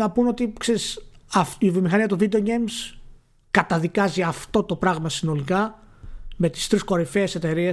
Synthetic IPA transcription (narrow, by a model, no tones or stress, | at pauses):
nɐpuno̞t̪ikse̞ɾisɐfivimixɐniɐt̪uvid̪eoɡejms | kɐt̪ɐðikɐziɐft̪o̞t̪o̞pɾɐɣmɐsino̞likɐ | me̞t̪i̥st̪ɾisko̞ɾife̞ːse̞t̪e̞ɾie